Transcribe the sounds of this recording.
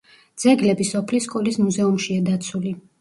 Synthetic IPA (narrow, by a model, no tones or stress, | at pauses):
d̪zɛɡlɛbisɔpʰliskʼɔlismuzɛumʃiad̪at̪sʰuli